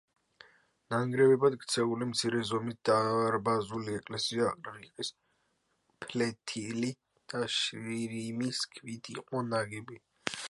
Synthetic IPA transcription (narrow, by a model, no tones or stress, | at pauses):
naŋɡɾɛvɛbad̪ɡt̪sʰɛulimt̪sʰiɾɛzɔmit̪̚d̪̥aɾbazuliɛkʼlɛsiaːqʼɾaiqʼis | pʰlɛt̪ʰili | d̪̥aʃɾiɾimiskʰvid̪ʰiqʼɔnaɡɛbi